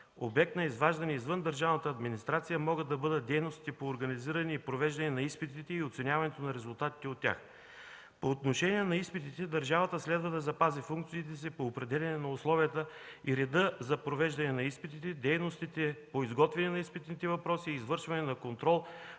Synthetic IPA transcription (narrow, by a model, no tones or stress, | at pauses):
o̰bɛk̚t̪nɐizvaʒd̪ɐnɛizvɤnd̪ɐɾʒavnət̪əɐːd̪minist̪ɾat̪sijəmɔɡəd̪ɐbɤd̪ət̪̚d̪ɛjnost̪i̥t̪ɛpoːɾɡɐniziɾɐniːpɾovɛʒd̪ɐnɛnɐispit̪it̪ɛiot̪sɛnʲjavɐnɛt̪onɐɾɛzʊlˠt̪at̪i̥t̪ɛot̪ʲːja̰x | poːt̪noʃɛnʲiɛnɐispit̪it̪ɛd̪ɐɾʒavɐt̪əslɛd̪vɐd̪ɐzɐpazifuŋkt̪siit̪̬ɛs̬ipoːpɾɛd̪ɛlʲɐnɛnɐʊslˠɔvijət̪əiɾɛd̪ɤzɐpɾovɛʒd̪ɐnɛnɐispit̪it̪ɛd̪ɛjnost̪it̪ɛpoizɡɔt̪vɛnɛnɐispit̪nit̪ɛvɐpɾɔsiːzvɤɾʃvɐnɛnɐkont̪ɾɔlˠ